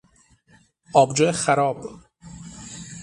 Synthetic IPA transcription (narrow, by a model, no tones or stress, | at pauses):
ʔɒːbd͡ʒoexæɾɒːb